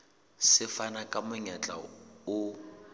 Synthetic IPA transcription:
sɪfanakʼamʊɲat͡ɬʼa̰ʊ

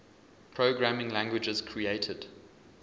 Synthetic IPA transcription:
pʰɹ̥oʊɡɹamɪ̃ŋlæ̃ŋɡwɪd͡ʒəz̥kʰɹieɪtʰəd̥

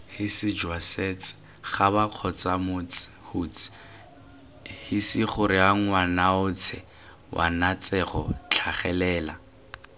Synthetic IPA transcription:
hɪsɪd͡ʒwaset͡sɪ̥ | χabaq͡χʰɔt͡samʊt͡shut͡si̥ | hɪsɪχʊɾɪaŋ̩wanaʊt͡sʰɛ | wʔa̰nat͡sɛχɔ̰t͡ɬʰaχɛlɛːla

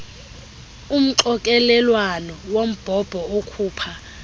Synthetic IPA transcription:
um̩ǃɔkʼɛlɛlwanɔwom̩b̥ʱɔb̥ʱɔokʰuːpʰa

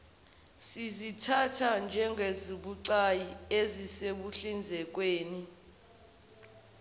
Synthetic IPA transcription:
sizitʰatʰand͡ʒʱɛŋʱeziɓuǀajieziseɓuɬind͡zʱɛk̬ʼweːni

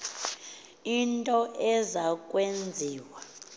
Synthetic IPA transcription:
intʼɔʔɛzak̬ʼwend͡zʱiːwa

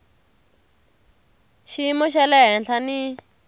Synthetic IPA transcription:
ʃimuʃɛlɛɦɛnɬʰani

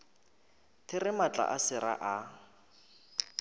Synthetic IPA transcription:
tʰɪrɪmat͡ɬʼa̰ʔasɪɾa̰ʔa

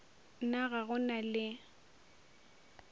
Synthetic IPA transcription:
naɣaɣʊnalɪ

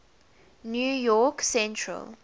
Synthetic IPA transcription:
njuːjɔksɛ̃ntʰɹə̰l

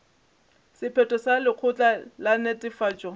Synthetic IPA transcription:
sɪpʰɛtʼɔsalɪq͡χʰʊt͡ɬʼalanɛtʼɪfaːt͡ʃʼɔ

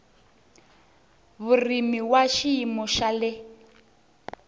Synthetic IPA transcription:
βurimiwaʃiːmɔʃalɛ

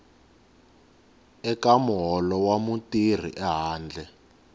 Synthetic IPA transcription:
ɛkamɦɔlɔwamutir̤ḭʔɛɦaːnd͡ɮʱɛ

